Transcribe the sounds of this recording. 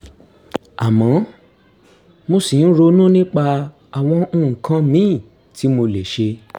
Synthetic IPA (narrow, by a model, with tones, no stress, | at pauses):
a˨mɔ̃˨˦ | mo˧si˨n̩˦ɾo˧nũ˦nĩ˦k͡pa˧ | a˨w̃ɔ̃˧˦˨kã˧˦mĩ˨˦˨ | ti˨˦mo˧le˨ʃe˧